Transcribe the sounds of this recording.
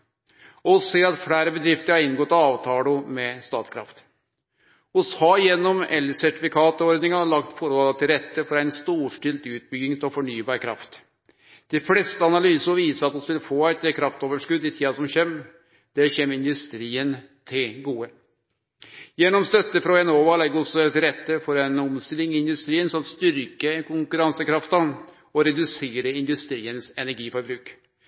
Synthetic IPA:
ɔseːɾɑt̪fɽæːɾəbəd̪ɾɪft̪əɾhɑɾɪnɡɔt̪ːɑɑːʋt̪ʰɑːlʊmɛst̪ɑːt̪kʰɾɑ̰ft̪ | ʊshɑːjɛnːɔmɛlːəsæʈɪfɪkʰɑːt̪əɔɾd̪nɪŋɑɑɭɑkt̪fɔɾholət̪ʰɪlɾɛt̪ːəfɔɾæɪnst̪uːʂʈɪlt̪ʉːt̪̚bʏɡɪŋt̪ɔfɔɳyːbɑːɾkʰɾɑ̰ft̪ | d̪̥ɪflɛst̪əɑnɑlyːsəʋiːsəɾɑt̪ɔsʋɪlfoːæɪt̪kʰɾɑft̪oːʋəʂkʉd̪ːɪt̪ʰiːɑsɔmçem | d̪̥ɛçeːmːəɪnd̪ʉst̪ɾiːən | t̪ʰɪlɡuːə | jɛnːɔmst̪œt̪ːəfɾɔɛnoːʋɑlɛɡːəɾɔsːɔɛt̪ɾɛt̪ːəfɔɾɛnɔmst̪ɪlɪŋɪɪnd̪ʉst̪ɾiːənsɔmt̪st̪ʏɾkəkʰʊŋkʉɾɑnsəkʰɾɑft̪ɑ | ɔɾɛd̪ʉseːɾəɪnd̪ʉst̪ɾiːənsɛnæɾɡiːfɔɾbɾʉːk

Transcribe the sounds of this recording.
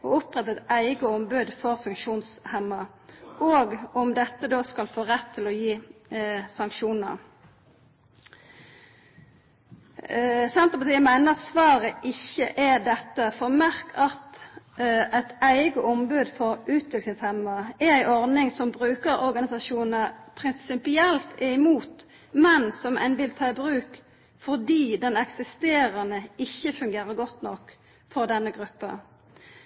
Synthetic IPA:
oʊpʁɛt̪ɛt̪æɪɡəɔmbʉːd̪fɔʁfʉŋkʃuːnshɛmːɑʔoːɡɔmd̪ɛt̪ːəd̪oːskɑlfoːʁɛt̪ʰːɪlɔjiː | sɑŋkʃuːnə̰ʁ | sɛnt̪ʁəpɑt̪ʰiːəmæɪnəʁɑt̪sʋɑːʁəʔɪçːəʔæd̪ɛt̪ːəfɔʁmæʁkʰɑt̪ | æɪt̪æɪɡəʔɔmbʉːd̪fɔɾʉːt̪ʋɪlk̪ɪŋshɛmːəɛæɪʔɔʁd̪ɪŋsɔmbʁʉːkəɾɔɾɡɑnɪsɑʃuːnnəpʰɾɪnssɪpɪɛlt̪ɪɪmuːt̪ | mɛnsɔmʔɛ̰nʋɪlt̪ʰɑːɪbʁʉːk | fɔʁd̪iːd̪ɛnɛksɪst̪eːɾɑnəɪçːəfʉŋɡeːɾəɾɡɔt̪ːnɔk | fɔɾd̪ɛnːəɡʁʉpːə̰

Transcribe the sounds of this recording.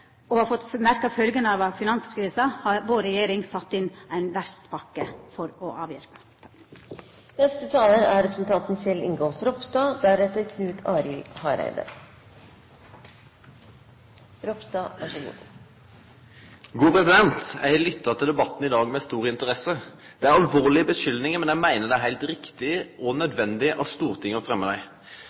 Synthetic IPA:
ɔhɑfɔt̪mæɾkɑʋfœlɡənɑʋfɪnɑnskʰɾiːsɑhɑɾʋoːɾɛjeːɾɪŋsɑt̪ːɪnæɪnʋæɾfspɑkːəfɔɾɔʔɑːʋjɪ̰ɾpə̥ | nɛst̪ət̪ʰɑːləæɾɾɛpʰɾəsn̩t̪ʰɑnt̪n̩sɪlɪ̰ŋɡɔlfɾɔpst̪ɑːd̪æɾɛt̪əɾkʰnʉːt̪ʰɑːɾɪlhɑːɾæ̰ɪd̪ə̰ | ɾɔpsd̪ɑːæʂɛɡṵː | ɡuːpʰʁɛsɪd̪ɛnt̪æɪlʏt̪ːɑt̪ʰɪld̪ɛbɑt̪ːn̩ɪd̪ɑːɡmɛst̪uːʁɪnt̪əʁɛsəd̪̥ɛæɾɑlʋoːʁlɪəbəʃʏlnɪŋəmɛnæɪmæɪnəd̪ɛæɦæɪlt̪ʁɪkt̪ɪəʔɔnœd̪ʋɛnd̪ɪʔɑst̪uːʁt̪ʰɪŋːəfʁɛmːəd̪æɪ

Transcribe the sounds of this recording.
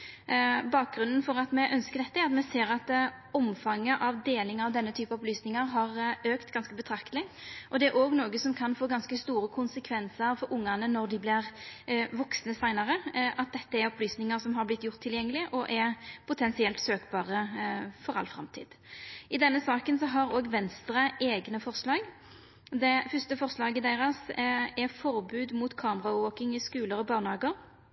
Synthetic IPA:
bɑːk̚ɡɾʉnːn̩fɔɾɑt̪mɛʔœnskəd̪ɛt̪ːəɛɾɑt̪mɛseːɾɑt̪ɔmfɑŋːəʔɑʋd̪eːlɪŋɑʋd̪ɛnːət̪ʰyːpɑɔplyːsnɪŋəɾɦɑɾøːkt̪ɡɑnskəbət̪ʰɾɑkt̪lɪʔɔd̪ɛæɾʔoːɡnoːɡəsɔmkʰɑnfoːɡɑnskəst̪uːɾəkʰʊnsəkʰʋɛnsəɾfɔɾʊŋːɑnənɔɾd̪ɪblɪʁʋɔksnəsæɪnɑɾəʔɑt̪̚d̪ɛt̪ːəæɾɔplyːsnɪŋəsɔmɦɑɾblɪt̪ːjʊʁt̪ʰːɪljɛŋːəlɪʔɔʔɛʁpʰʊt̪ʰɛnsɪɛlt̪søːkbɑːʁəfɔɾɑ̰lːfɾɑ̰mt̪ʰḭːd̪̥ɪd̪ɛnːəsɑːkənsɔɦɑɾoːɡʋɛnst̪ʁəʔeːɡnəfɔʁslɑːɡ | d̪ɛfœst̪əfɔʁslɑːɡəd̪æɪʁɑsɛʁfɔɾbʉːd̪mʊt̪kʰɑːməʁɑoːkɪŋɪskʉːləɾɔbɑːʁnhɑːɡəɾ

